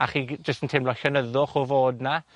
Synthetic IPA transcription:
aχiːd͡ʒəstəntʰɪmlɔɬənəðʊχɔvoːdna

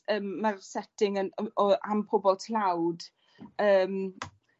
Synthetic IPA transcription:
əːmːarsɛtɪŋənɔampʰʊbɔlˠtʰlawd̥ | əːm

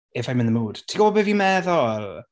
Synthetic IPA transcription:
ɛvajmɪnəmuːd̥tʰiɡɔbɔbɛviːmɛðɔl

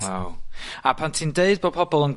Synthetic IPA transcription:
wawapʰantʰiːndeɨd̚bɔpʰɔbɔlˠən

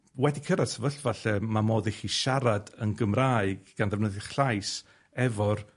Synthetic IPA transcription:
wɛdikʰəɾadsʰəvəɬvaɬɛmamoːðɪχiʃaɾadənɡəmraːɨɡɡ̥anðɛvnəðəχɬajs | ɛvɔr

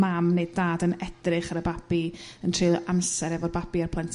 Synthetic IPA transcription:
mamneɨddaːdənɛdrɨχaɾəbab̥iəntʰr̥ɨːlˠansɛɾɛvɔrbabiarpʰlˠɛntʰ

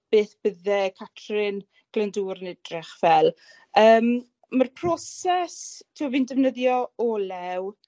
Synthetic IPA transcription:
b̥eːθb̥əðɛkʰatʰrɪn | ɡ̥lənduːɾənɛdrɪχvɛlˠ | əːm | marpʰr̥ɔsɛstʰiwaviːndəvnəðjɔɔlɛw

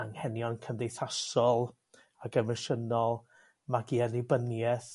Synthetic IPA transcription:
aŋhɛnjɔnkʰəndejθasɔlˠ | aɡəmɪʃənɔlˠ | maɡiɛnibənjɛθ

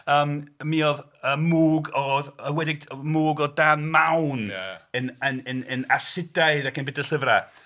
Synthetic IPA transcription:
əːmmiɔð | əːmuːɡɔəwɛdɪɡ̚muːɡɔdaːnmawnənənənənasɪdaɨðakənbɪdəlɬəvra

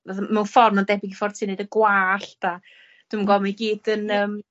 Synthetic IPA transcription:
vɛðmɛwnfɔrnɔndɛbɪɡifɔrtʰineɨdəɡwaːɬd̥a | d̥wɨmnɡɔmiɡiːd̥ənəːm

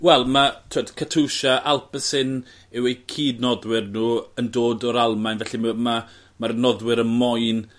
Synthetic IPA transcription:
wɛlˠmatʰwad̥kʰatʰuʃaʔalˠpəsɪn | ɛwejkʰiːdnɔðwɪrnuːəndoːdɔɾalˠmajnvɛɬimma | maɾnɔðwɪɾənmɔjn

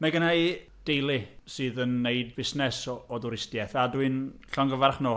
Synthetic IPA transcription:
mɛɡənaj | d̥ejlˠɪsɨːðənːejd̚bɪsnɛsɔɔduɾɪstjɛθadwɨnɬɔŋɡəvarχno

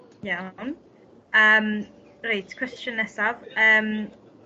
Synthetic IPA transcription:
jan | əːm | rejtkʰw̥ɛst͡ʃənɛsavəːm

